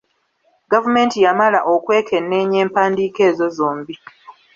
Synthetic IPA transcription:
ɡavume̞ːntijamalaʔokwe̞ːkʰe̞nːeːɲe̞ːmpaːndiːke̞ːzo̞zoːmbi

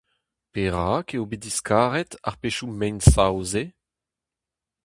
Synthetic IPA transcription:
peʁaːkeobediskʰaːʁɛt̪a̰ʁpeʃumɛnsawze

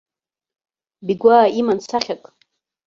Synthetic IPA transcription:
biɡʷaːimant͡sʰaχʲakʼ

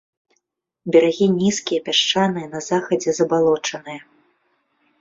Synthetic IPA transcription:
bʲɛɾaɣʲinʲiskʲijɐpʲaʂt͡ʂanɨjɐnɐzaxɐd͡zʲɛzɐbalˠɔt͡ʂɐnɨjɐ

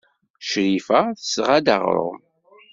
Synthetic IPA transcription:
ʃɾifæθəsʁad̪a̰ʁɾʊ̰m

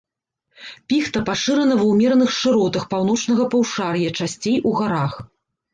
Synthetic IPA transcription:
pʲixt̪ɐpaʂɨɾɐnɐvɐwmʲɛɾnɨxʂɨɾɔt̪ɐxpawn̪ɔt͡ʂn̪ɐɣɐpɐwʂarjɐt͡ʂasʲt͡sʲejʔuɣaɾax

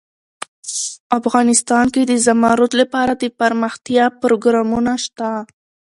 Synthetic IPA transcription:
afɣɑnɪst̪ɑnked̪əzamɑɾʊt̪lapɑɾad̪əpaɾməxt̪jɑpɾoɡɾɑmunaʃt̪a

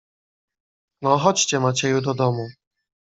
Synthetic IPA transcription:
nɔxɔt͡ɕt͡ɕɛmat͡ɕɛjud̪ɔd̪ɔmu

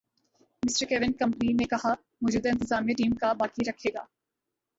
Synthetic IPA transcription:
mɪsʈəɾkeːʋɪnkɐ̃mpəninẽkɐɦa | moːd͡ʒuːd̪aɪ̃nt̪ɪzaːmijeʈiːmkabaːkiɾɐkʰeːɡa̰ː

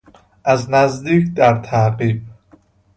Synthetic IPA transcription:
ʔæznæzd̪iːkʰd̪æɾt̪ʰæqiːb̚

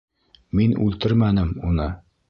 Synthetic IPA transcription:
minʉ̰lt̪ɘɾmænɘmunɤ

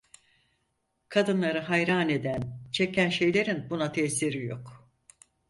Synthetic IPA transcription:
kʰad̪ɯnlˠaɾɯɦajɾaːne̞d̪ænt͡ʃʰe̞cʰænʃe̞jlʲe̞ɾinbunat̪ʰeːsiɾijo̞k

